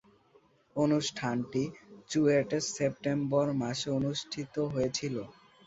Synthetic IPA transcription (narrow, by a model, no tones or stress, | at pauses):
onuʃʈʰanʈid͡ʑueʈesep̚ʈembɔɾmaʃonuʃʈʰit̪oɦojet͡ɕʰilo